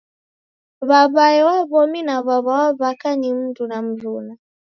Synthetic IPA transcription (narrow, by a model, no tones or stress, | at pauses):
βaβajɛwaβɔminaβaβawaβakanim̩ndunam̩zuna